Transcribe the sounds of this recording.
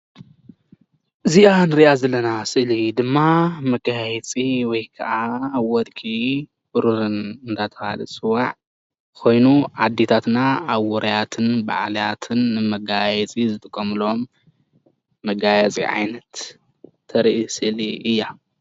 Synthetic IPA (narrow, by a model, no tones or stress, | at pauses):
ʔɨzianɨɾiʔazɐlːɐnasɨʔlid̪ɨmːamɐkʼahjɛt͡sʼiwɔjkʰɐ̰ʔawɔd̪kʼi | bɨɾuɾɨnɨnd̪ʰat̪ʰɐhalɨ̰sʼɨwaʕ | kʰo̞jnuʕad̪ːet̪ʰat̪naaβːɔɾʔɐjat̪ʰɨnba̰ʕlijat̪ʰɨnːɨmɐɡajɛt͡sʼizɨt̪ʼɨkʼːɐmɨlom | ɐɡajat͡sʼḭʕa̰jnɐt̪ʰː | ɐɾʔisɨʔliʔɨjːa